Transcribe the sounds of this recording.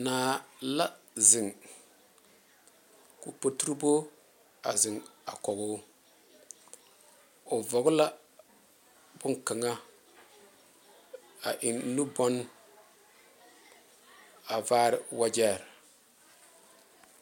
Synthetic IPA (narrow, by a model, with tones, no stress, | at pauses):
naː˨la˦ | zɪ˨ŋ | ku˨po˦tu˦ɾbo˦ | a̰˨zɪ˨ŋa̰˨kɔ˨ɣʊ˦ | ʊ˨vɔ˨ɡʊ˦la˦ | b̥ʊ˦ŋka˨ŋa˦ | a˨ʔɪ˨n˦nu˦bɔ˦n | a˨vaː˦ɾɪ˨wa˦d͡ʒɛː˦˨ɾ